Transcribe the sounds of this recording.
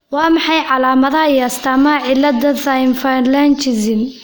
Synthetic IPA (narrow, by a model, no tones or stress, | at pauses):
wɑːmɑħɑjʕɑlaːmɐðɐɐjaːst̪ʰɐmɐʕɪlːɐd̪ɐðajɪnfanlant͡ʃɪsɪn